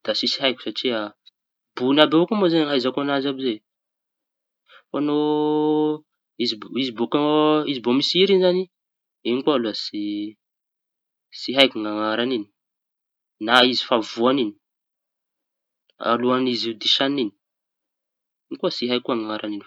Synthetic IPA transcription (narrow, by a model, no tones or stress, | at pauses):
d̪̥asisiɦajkʲu̥saʈ͡ʂia | b̥unabeakumozenaizakoanazabize | faano | izibizibokizibomisiɾinizani | inikualuasi | siɦajkuŋaŋaɾanini̥ | naizi̥favuanini̥ | a̰luanizid̪iʃanini̥ | inikuasiɦajkuaŋaŋaɾʔanini